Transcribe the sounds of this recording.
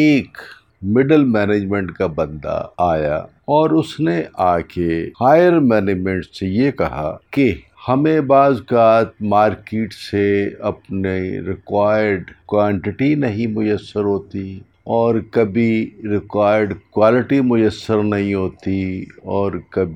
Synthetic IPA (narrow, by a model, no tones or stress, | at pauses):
eːk | mɪɖəlmɛːneːd͡ʒmẽɳʈkabɐ̃nd̪a̰aːja̰ | ɔːɾʊsneʔaːkehaːjəɾmɛːneːd͡ʒmɛ̃ɳʈsejekɐɦa̰ke | hɐmẽbaːzkaːt̪̚maːɾkeːʈseɐpniɾɪkwaːjəɾɖkwãːɳʈɪʈinɐɦĩmʊjəsːəɾɦoːt̪i | ɔːɾkɐbʱiɾɪkwaːjəɾɖkwaːlɪʈimʊjəsːəɾnɐɦĩɦoːt̪iɔːɾkɐbʱi